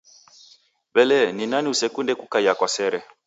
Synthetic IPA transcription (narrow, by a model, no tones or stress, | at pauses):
βɛlɛninaniusɛkundɛkukaiakwasɛɾɛ